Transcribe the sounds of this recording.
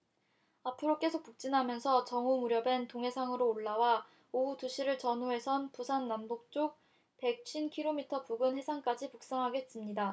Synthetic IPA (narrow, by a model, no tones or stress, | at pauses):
apʰɯɾok͈e̞sʰok̚puk̚t͡ɕ͈inɦamjʌnsʰʌt͡ɕʌŋomuɾjʌbentoŋɦe̞sʰaŋɯɾoːɭːawa | outuɕʰiɾɯɭt͡ɕʌnuɦe̞sʰʌnpusʰanːambok̚t͡ɕ͈ok̚ | pe̞k̚ɕʰinkʰiɾomitʰʌpuɡɯnhe̞sʰaŋk͈ad͡ʑipuk̚s͈aŋɦaɡe̞t̚s͈ɯmɲida